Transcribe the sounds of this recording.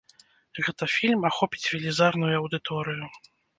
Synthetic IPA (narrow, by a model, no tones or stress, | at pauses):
ɣɛt̪ɐfʲilʲmaxɔpʲit͡sʲvʲilʲizarnujuɐwd̪ɨt̪ʰɔɾɨju